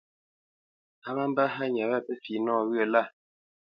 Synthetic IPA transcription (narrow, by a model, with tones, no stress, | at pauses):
a˦ma˦m˦ba˦ɦa˦ɲa˨βɛ˦˨pɛ˦fi˨nɔː˦˨wɰə˦˨la˦˨